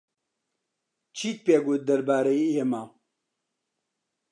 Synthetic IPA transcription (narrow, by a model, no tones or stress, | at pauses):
t͡ʃʰiːt̪̚peːɡut̪̚d̪ɐɾbaːɾejiːhema